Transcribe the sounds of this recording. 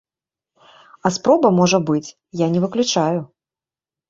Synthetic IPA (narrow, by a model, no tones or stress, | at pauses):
ɐspɾɔbɐmɔʐɐbɨt͡sʲ | janʲɛvɨklʲut͡ʂajʊ